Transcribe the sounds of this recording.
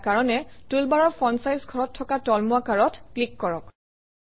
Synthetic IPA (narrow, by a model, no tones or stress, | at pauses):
kaɹɔnɛtulbaɹɔɹpʰɔnsajzɡʱɔɹɔtʰːɔkatɔlmuakaɹɔtklikːɔɹɔk